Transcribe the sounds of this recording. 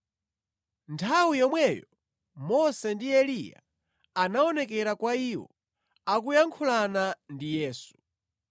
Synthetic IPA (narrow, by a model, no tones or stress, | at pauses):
ntʰawijɔmwɛjɔ | mɔsɛndiɛlija̰ | anaɔnɛkɛɾakwaiwɔ̰ | akujaŋkʰulanandijɛːsu̥